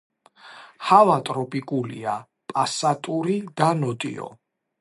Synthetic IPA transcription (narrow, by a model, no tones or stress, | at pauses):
havat̪ʼɾɔpʼikʼulia | pʼasat̪ʼuɾid̪̥anɔt̪ʼḭɔ̰